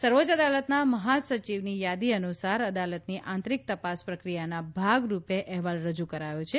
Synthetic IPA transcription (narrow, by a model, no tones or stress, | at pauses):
səɾʋod͡ʒəd̪alət̪naməɦasət͡ʃiʋnijad̪iənusaɾəd̪alət̪niʔãnt̪ɾik̚t̪əpaspɾəkɾijanabʱaɡɾupeʔɛɦʋalɾəd͡ʒukəɾajot͡ʃʰe